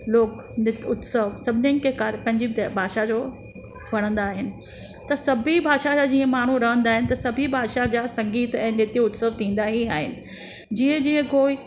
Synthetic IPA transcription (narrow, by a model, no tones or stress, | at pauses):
loːk | nɪʊt̪səʋsɐbʱɪnɪnɪkʰekaːɾpɐ̃ɦɪ̃ɲd͡ʑibʱaːʃad͡ʑoː | ʋɐɽ̃ə̃nd̪aːɦɪnɪ̆ | t̪ɐsɐbʱibʱaːʃad͡ʑad͡ʑiːə̃maːɳ̤uɾɐɦə̃nd̪aːɦɪnɪ̆t̪ɐsɐbʱibʱaːʃad͡ʑaːsɐ̃ŋɡiːt̪ɛ̃ːnɪt̪iʊt̪səʋt̪ʰĩːn̆d̪aɦiaːɦɪnɪ̆ | d͡ʑiːə̃d͡ʑiːə̃koːi